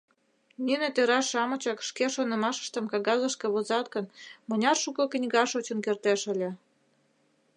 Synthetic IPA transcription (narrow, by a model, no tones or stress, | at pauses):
nʲynĕt̪eɾɑʃɑmɤ̆t͡ɕɑkʃkeʃonə̆mɑʃə̥ʃt̪ə̆mkɑɣɑzəʃkĕβozɑt̪kənmə̆nʲɑrʃukɤ̆knʲɣɑʃot͡ɕə̆nkert̪eʃəlʲĕ